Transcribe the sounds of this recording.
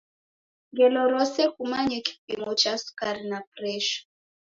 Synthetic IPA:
ŋɡɛlɔlɔsɛkumaɲɛki̥p̚iŋɡɔt͡ʃasu̥kaɾinaprɛʃɔ̥

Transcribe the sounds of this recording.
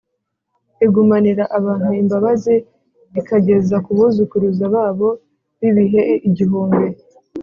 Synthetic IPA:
eɡumaniɾaʔaβaːn̥uimbaβazi | βikaɟe̞zakuβuzukuɾuzaβaːβo̞ | βiβiɦe̞iɟiɦuːmbe

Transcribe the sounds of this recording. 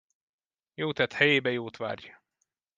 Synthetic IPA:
joːt̪ɛt̪hɛjeːbɛjoːt̪ʋa̰ːrjɒ

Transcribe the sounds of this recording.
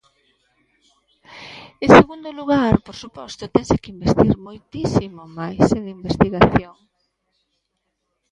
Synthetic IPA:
ẽnseɣund̪ʊluɣaɾpoɾsupɔst̪ot̪ɛnsekimbest̪iɾmojt̪isimomajseðimbest̪iɣaθjoŋ

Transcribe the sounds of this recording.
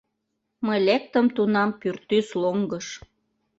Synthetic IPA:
məjlek̚t̪əmt̪unɑmpyrt̪ːysloŋɡəʃ

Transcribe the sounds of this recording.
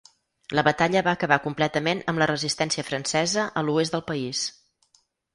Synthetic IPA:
ləβət̪aʎəβaəkəβakumplɛt̪əmenəmlərəzist̪ɛnsiəfɾənsɛzəʔəluezd̪əlˠpəis

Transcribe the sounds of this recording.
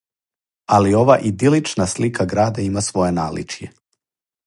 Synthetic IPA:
alio̞ʋaʔid̪ilit͡ʃnaslikʰaɡɾaːd̪aimasʋo̞jenaːlḭt͡ʃje

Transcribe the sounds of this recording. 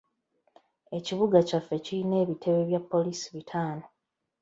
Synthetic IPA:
e̞ciβuɡacafːe̞ciɾine̞ːβitʰe̞βe̞βjapːo̞liːsiβitʰaːno̞

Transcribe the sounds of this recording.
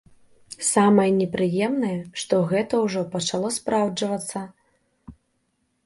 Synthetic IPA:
samɐjɛnʲɛpɾɨjɛmnɐjɛʂt̪ɔɣɛt̪ɐwʐɔpɐt͡ʂalˠɔspɾawd͡ʐɐvɐt̪sːɐ

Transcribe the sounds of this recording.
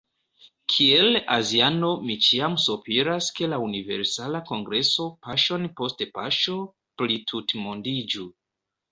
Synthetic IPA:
kʰielaziano̞mit͡ʃiamsupiɾaske̞launive̞̰ɾsalako̞ŋɡɾeso̞paʃo̞npo̞stepaʃo̞ | plitʰutmondid͡ʒu

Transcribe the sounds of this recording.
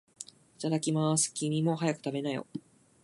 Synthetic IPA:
i̥t̪ad̪akʲimasɨ̥kʲimʲimo̞ɦajakɯ̟̥t̪abe̞najo̞̰

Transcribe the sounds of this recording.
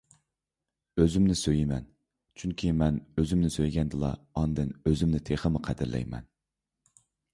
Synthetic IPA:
øzymnɪsøjimɛn | t͡ʃʰyŋkʲʰimɛnøzymnɪsøjɡʲɛnd̪ɨlˠɑ̰ɑnd̪ɨnøzymnɪt̪ʰeχəmɨqʰæd̪ɪɾlɛ̰jmɛ̰n

